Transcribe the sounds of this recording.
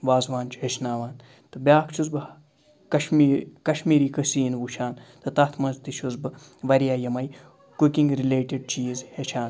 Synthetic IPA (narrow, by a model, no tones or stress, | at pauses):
ʋaːzʋaːnt͡ʃʰɦet͡ʃʰnaːʋaːn | t̪ɨbʲjaːkt͡ʃʰuzbɨ | kɐʃmikɐʃmiːɾiːkəsiːnʋuʃʰaːnt̪ɨt̪ɐt̪ʰmɐnzt̪iʃʰuzbɨ | ʋɐɾjaːjɐmɐj | kukiŋɡɾileːʈeɖ̚t͡ʃiːzhet͡ʃʰaːn